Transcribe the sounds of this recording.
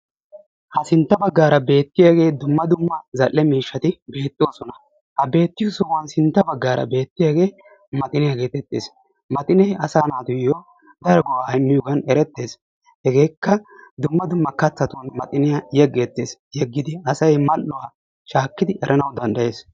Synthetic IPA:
hɐsɪnt̪ːɐbɐɡːaːɾɐbe̞ːt̪ːɪjaɡe̞ːd̪ʊmːɐd̪ʊmːɐzɐlːɛmiːʃːɐt̪ɪbe̞ːt̪ʼːɪwoːsɔnɐ | hɐbe̞ːt̪ːɪjosɔwɐnsɪnt̪ːɐbɐɡːaːɾɐ̰be̞ːt̪ːɪjaɡe̞ː | mɐt̪ʼɪnɪjaɡe̞ːt̪ɛt̪ʼːḛːs | mɐt̪ʼɪnɛjɐsaːnaːt̪ʊjjoː | d̪ɐɾɔɡɔwaːɪmːɪjoːɡɐnɛɾɛt̪ːe̞ːs | hɛɡe̞ːkːɐd̪ʊmːɐd̪ʊmːɐkɐt͡sːɐt̪ʊnmɐt̪ʼɪnɪjajɛɡːet̪ːe̞ːsjɛɡːɪd̪ɪɐsɐjmɐlːʊwaː | ʃaːkːɪd̪ɪʔɛɾʔɐnɐwd̪ɐnd̪ɐje̞ːs

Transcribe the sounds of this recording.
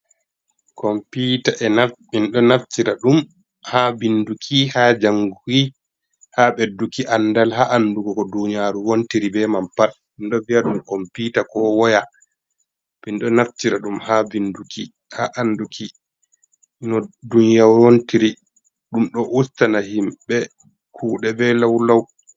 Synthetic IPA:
kɔmpitaʔɛnafinɗɔnaftiɾaɗum | habindukʰihad͡ʒaŋɡuwi | haɓɛdukiʔandalhaʔandukɔkɔduɲijaːɾuwontiɾibɛmampaɗ | inɗɔviaɗumkɔmpitakɔwɔja | binɗɔnaftiɾaɗumhabinduki | haʔandukʰi | ʔinɔdunjawontiɾi | ɗumɗɔʔustanaɦimɓɛ | kʰuːɗɛbɛlawlaw

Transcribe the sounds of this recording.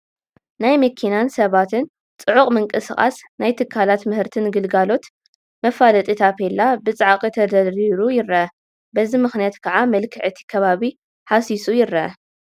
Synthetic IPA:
najmɐkʰinansɐβat̪ʰɨn | t͡sʼɨʕuχʼmɨŋkʼɨsχʼa̰snajt̪ʰɨkʰːalat̪mɨhɨɾt̪ʰɨnɡɨlɡalo̞t̪ | mɐfalɐt̪ʼit̪ʰapʰelːabɨt͡sʼaʕakʼit̪ʰɐd̪ɐɾiɾujɪɾɐɐ | bɐzimɨxnijat̪kʰɐʕamɐlkʰɨʕɨt̪ʰi̥kʰɐβaβi | ħasisʼujɪɾɐɐ̰

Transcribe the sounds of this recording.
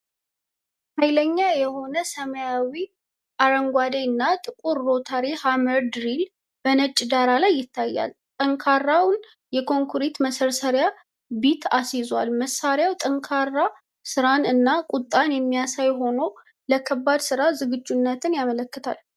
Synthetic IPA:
hajləɲːajɛho̞nəsəməjawi | ʔaɾəŋɡʷad̪enːat̪ʼɨkʼuɾːo̞t̪ʰaɾehaməɾd̪ɾil | b̥ənət͡ʃʼːd̪aɾalajːɪt̪ʰːajːa̰lt̪ʼəŋkʰarːawn | jɛkʰo̞ŋkʰuɾit̪məsəɾsəɾja | bit̪ʰasizwalməsːaɾjawt̪ʼəŋkʰarːa | sɨɾanɨnːakʼut̪ʼːanjɛmːijasajɦo̞no | ləkʰəbːad̪sɨɾazɨɡɨd͡ʒːunːət̪ʰɨnjamələkːət̪ʰa̰l

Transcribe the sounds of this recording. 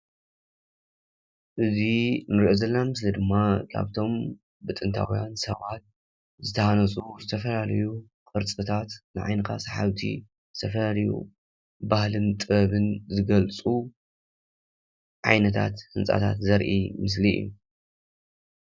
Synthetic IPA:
ʔɨzinɨɾiʔozɐlːɐnamɨslid̪ɨmːakʰa̰βt̪ʰo̞m | bɨt̪ʼɨnt̪ʰa̰wjansɐβat̪̚ | zɨt̪ʰɐhanɐsʼuzɨt̪ʰɐfɐlalɐju | kʼɨɾt͡sʼɨt̪ʰat̪nɨʕa̰jnɨkʰa̰saħaβt̪ʰḭ | zɨt̪ʰɐfɐlalɐjṵ | bahlɨnt̪ʼɨɐβɨnzɨɡɐlt͡sʼu | ʕa̰jnɐt̪ʰa̰t̪hɨnt͡sʼa̰t̪ʰa̰t̪zɐɾʔḭmɨs̬liḭjṵ

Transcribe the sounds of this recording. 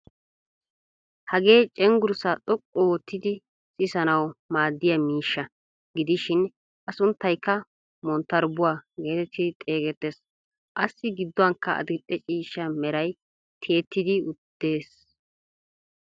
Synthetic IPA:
hɐɡe̞ːt͡ʃʼɛŋɡʊɾsaːt̪ʼɔkʼːɔwɔt̪ːɪd̪ɪ | sʼɪsɐnɐwmaːd̪ːɪjɐmiːʃːɐ | ɡɪd̪ɪʃɪn | ʔɐsʊnt̪ːɐjkːɐ | mɔnt̪ːɐɾbʊwaːɡe̞ːt̪ɛt̪ʰːɪd̪ɪt̪ʼe̞ːɡɛt̪ːe̞ːs | ʔɐsːɪɡɪd̪ːɔwɐŋkːɐʔɐ̰d̪ɪt̪ʼːɛt͡ʃʼiːʃːɐmɛɾɐj | t̪ʰe̞ːt̪ːɪd̪ɪʊd̪̥ːe̞ːs

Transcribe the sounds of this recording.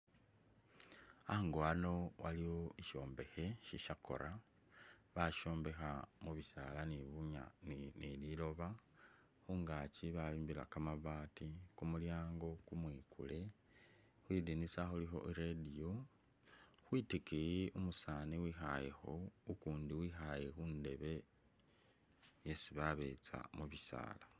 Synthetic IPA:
aŋɡoano̞waliwoiʃo̞ːmbe̞xe̞ʃiʃako̞̰ɾʔa | βaʃo̞ːmbe̞xamuβisa̰laniβuɲa̰ninililo̞βa | xuːŋɡaːt͡ʃiβaliːmbila̰kamaβaːtikumuljaːŋɡo̞kumwiːkṵle̞ | xwiːdinisaxulixo̞̰ʔiɾedijo | xwiːtikiiumusaːniwixaje̞xo̞ukuːndiwiːxajexuːnde̞βe̞ | jesiβaβe̞̰t͡sa̰muβisa̰ːla

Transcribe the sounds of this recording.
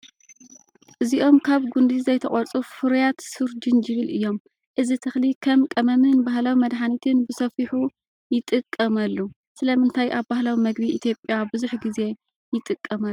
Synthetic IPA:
ʔɨziʔo̞mkʰaβɡund̪izɐjt̪ʰɐχʼɔɾt͡sʼufɨɾjat̪sɨɾd͡ʒɨnd͡ʒɨβɨlʔɨjːo̞m | ʔɨzit̪ʰɨxlikʰɐmkʼɐmɐmɨnbaɦlawimɐd̪ħanit̪ʰɨnbɨsɐfiħu | jɪt̪ʼɨkʼːɐmɐlːu | sɨlɐmɨnt̪ʰajʔaβbahlawimɐɡbiit̪ʰjo̞pʼːjabɨzuħɡize̞ | jɪt̪ʼɨkʼːɐmɐ

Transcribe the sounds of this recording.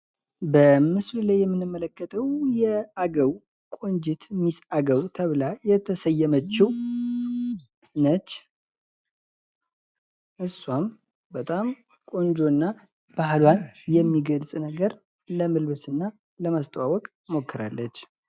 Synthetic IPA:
bəmɨslulajːɛmːɨnɨmːələkːət̪ʰəwjɛaɡəw | kʼo̞ɲd͡ʒɪt̪misaɡəwt̪ʰəβlajɛt̪ʰəsəjːɛmət͡ʃːɪw | nət͡ʃː | ʔɨsːwam | bət̪ʼam | kʼo̞nd͡ʒo̞nːa | b̥aɦlwanjɛmːiɡəlsʼnəɡəɾ | ləmɨlbɨsɨnːa | ləmast̪ʼəwawɔkʼ | mo̞kʰːɨɾa̰lːət͡ʃː

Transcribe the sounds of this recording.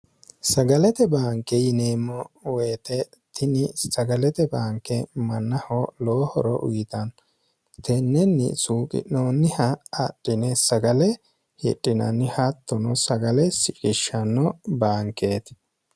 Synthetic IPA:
sɐɡɐlɛt̪ɛbaːŋkɛjɪneːmːɔweːt̪ɛ | t̪ʰɪnɪsɐɡɐlɛt̪ɛbaːŋkɛmɐnːɐhɔloːhɔɾɔ̰ʔʊjɪt̪ɐn | t̪ʰɛnːɛnːɪ̰suːkʼɪ̰noːnːɪhɐɐɗːɪnɛsɐɡɐlɛ | hɪ̰ɗʼːɪnɐnːɪhɐt̪ːɔnɔsɐɡɐlɛsɪkʼɪʃɐnːɔbaːŋkeːt̪

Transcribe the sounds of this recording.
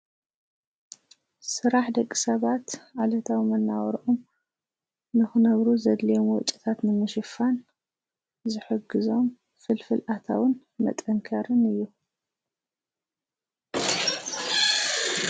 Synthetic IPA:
sɨɾaħd̪ɐkʼːisɐβat̪ʕalɐt̪ʰawmɐnːa̰wɾʔum | nɨxɨnɐβɾuzɐd̪lijomwɔt͡ʃʼi̥t̪ʰat̪nɨmɨʃɨfan | zɨħɨɡɨzo̞m | fɨlfɨlʔat̪ʰa̰wɨn | mɐ̰t̪ʼɐŋkʰɐɾɨnɨjːu

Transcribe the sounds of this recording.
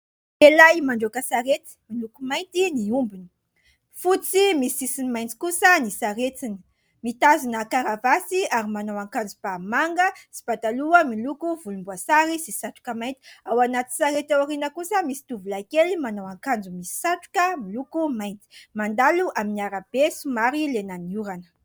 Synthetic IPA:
elajmaɳɖ͡ʐokəsaɾet̪i̥milukumajnt̪iniumbinə̥ | fut͡simisiisinimajnt͡si̥kusənisaɾet͡sinə̥ | mit̪azunəkaɾavasiaɾimanawaŋkand͡zub̥amaŋɡəsi̥b̥at̪aluəmilukuvulumbuasaɾisisaʈ͡ʂu̥kəmajnt̪i̥awanat̪i̥saɾet̪awaɾinəkusəmisi̥t̪uvulaikelimanawaŋkand͡zumisi̥saʈ͡ʂu̥kəmilukumajnt̪i̥mand̪aluʔaminiaɾab̥esumaɾilenaniuɾanə̥

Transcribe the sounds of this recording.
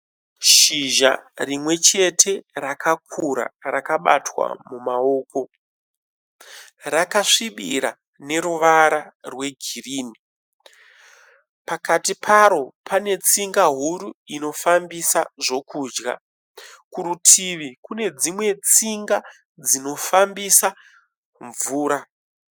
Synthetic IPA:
ʃiʒa̰rimwe̞t͡ʃe̞tʰe̞rakakʰuɾa̰rakaɓa̰twa̰mumao̞ːko̞ | rakaʂiɓḭɾa̰ | ne̞ɾuʋaɾarwe̞ɡʱiriːni | pakatipʰaɾo̞pʰane̞t͡siŋɡaɦuɾuino̞fambisaʐo̞kuːd͡ʒɡa̰ | kuɾutʰiʋikune̞d͡zimwe̞t͡siŋɡa | d͡zino̞fambisa | ɱvuːɾa

